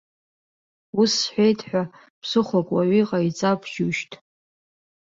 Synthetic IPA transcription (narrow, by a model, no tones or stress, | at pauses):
usħʷᶣejtʰʼħʷᶣa | pʰsɨχʷakʼwaʕiqʼait͡sʼapʰʒuʃtʰʼ